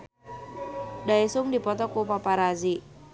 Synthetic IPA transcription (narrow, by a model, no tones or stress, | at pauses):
daisʊŋdipɔt̪ɔkupapaɾazi